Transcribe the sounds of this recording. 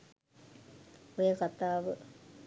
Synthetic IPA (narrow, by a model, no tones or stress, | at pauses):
ojekat̪aːʋə